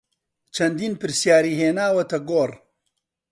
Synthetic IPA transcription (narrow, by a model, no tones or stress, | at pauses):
t͡ʃʰɐnd̪iːnpɨɾsjaːɾiːɦeːnaːwɐt̪ʰɐɡoːr